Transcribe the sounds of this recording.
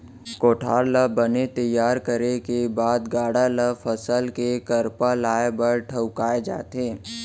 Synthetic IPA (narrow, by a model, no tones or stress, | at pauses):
koːʈʰaːɾləbənet̪ɐjːaːɾkəɾekebaːd̪ɡaːɽaləfəsəlkekəɾpalaːebəɾʈʰəʊkaːed͡ʒa̰ːt̪ɦẽː